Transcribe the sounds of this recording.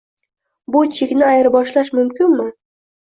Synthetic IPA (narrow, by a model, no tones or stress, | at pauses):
bʊt͡ʃʰekʲnɪajɪɾbɒʃlaʃmʊmkʲʰɪnmɪ